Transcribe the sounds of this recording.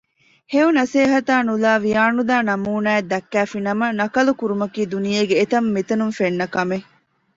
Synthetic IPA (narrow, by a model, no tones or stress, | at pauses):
heunɐseːɦɐt̪aːnulaːʋijaːnud̪aːnɐmuːnaːed̪ɐkːæːfinɐmɐnɐkɐlukuɾumɐkiːd̪unijeːɡeːt̪ɐmːit̪ɐnunfenːɐkɐme